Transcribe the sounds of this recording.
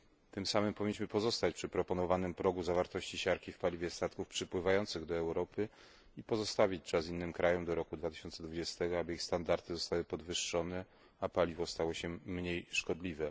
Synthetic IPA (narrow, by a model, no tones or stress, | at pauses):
t̪ɘmsamɘmpɔvʲiɲːiɕmɘpɔzɔst̪at͡ɕpʂɘpɾɔpɔnɔvanɘmpɾɔɡuzavaɾt̪ɔɕt͡ɕiɕaɾkʲifpalʲivʲjɛst̪at̪kufpʂɘpwɘvajɔnt̪sɘɣd̪ɔɛwɾɔpɘ | ipɔzɔst̪avʲit͡ɕt͡ʂasinːɘmkɾajɔmd̪ɔɾɔkud̪vat̪ɘ̥ɕɔnt̪sɛd̪vud͡ʑɛst̪ɛɡɔabɘixst̪and̪aɾt̪ɘzɔst̪awɘpɔd̪vɘʂːɔnɛ | apalʲivɔst̪awɔɕɛmɲejʂkɔd̪lʲivɛ